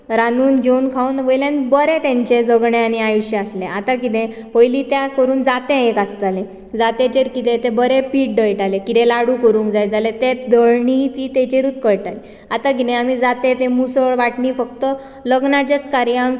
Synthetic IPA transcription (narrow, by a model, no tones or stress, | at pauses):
ɾanuːnd͡ʑewnkʰaunʋəjlãnbəɾẽt̪ɛ̃ɲt͡ɕed͡zəɡɳẽaniajuɕjəaslẽʔat̪akit̪ɛ̃ | ʋəjlit̪jakəɾuːnd͡zat̪ɛ̃ekast̪alẽ | d͡zat̪et͡ɕeɾkit̪ẽt̪ẽbəɾepiːʈ̚ɖəjʈalekit̪ɛlaɽukəɾũːŋkd͡zajd͡zalet̪ed̪ʱəɭɳit̪iːt̪ɛt͡ɕeɾuːt̪kəɾʈale | at̪akit̪ɛ̃amid͡zat̪et̪ẽmusəɭʋaʈɳiːfəkt̪ə | ləɡnad͡ʑət̪kaɾijãŋɡ